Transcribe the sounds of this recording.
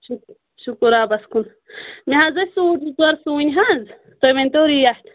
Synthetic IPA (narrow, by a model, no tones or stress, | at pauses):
ʃuk | ʃukuɾaːbɐskun | miɦazɐsuːʈuzɐɾsuːnʲiɦanz | t̪ojmenʲt̪oːɾijaʈ